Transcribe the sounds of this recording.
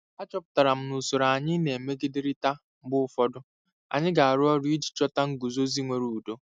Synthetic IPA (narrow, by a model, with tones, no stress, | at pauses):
a˦t͡ʃɔ˦pʊ̥˨ta˨ɾa˨m̩˦nu˨so˨ɾa˨a˨ɲɪ˦ne˨e˨me˦ɡɪ˦dɪ˦ɾɪ˦ta˦ | m̩˦bʊ˦ʊ˦fɔ˦dʊ˦ | a̰˨ɲɪ˦ɡa˨a˨ɾʊ˦ɔ˦ɾi˦i˦d͡ʒi̥˨t͡ʃɔ˦ta˦ŋ̩˦ɡu˨zo˦zi˦ŋʷe˨ɾu˨u˨do˦